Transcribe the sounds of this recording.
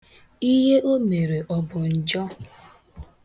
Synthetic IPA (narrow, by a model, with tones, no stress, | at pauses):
i˦ɦe˦ʔo˦me˨ɾe˨ʔɔ˨bʊ˨n̩˨d͡ʒɔ˦